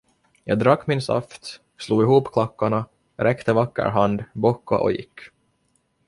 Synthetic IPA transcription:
jɑ̰ːɡd̪ɾakːmɪnsa̰ft̪ | sluːɡɪɦuːpkʰlakːaɳa | ɾɛkt̪əvakːə̰ɾɦand̪bɔkːa̰ʔɔ̰jɪkː

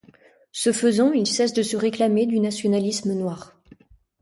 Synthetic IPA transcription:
səfəzɑ̃ilsɛsd̪əsəʁeklamed̪ynasjɔnalismənwaːʁ

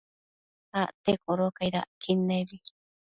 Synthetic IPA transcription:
aʔt̪ekoɾokajɾa̰kʰineβi

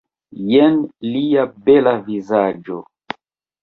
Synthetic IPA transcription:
jɛnlijabɛlavizad͡ʒɔ̰

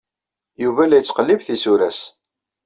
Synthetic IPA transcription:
juvælæjət͡sːqəlːivθisuɾæs

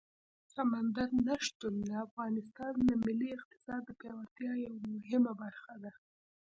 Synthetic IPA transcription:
samand̪aɾnaʃt̪unləafɣɑnɪst̪ɑnd̪əmɪliɪq̚t̪ɪ̥sɑd̪ːəpjɑwaɾt̪jɑjawamʊɦɪmabaɾxad̪a

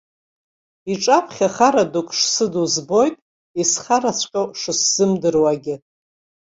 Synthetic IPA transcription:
iʈ͡ʂʼapʰχʲaχaɾadukʼʂsɨduzbo̞jtʼ | isχaɾasʷʰqʲʼowʂɨsz̥ɨmdɨrwaɡʲɪ

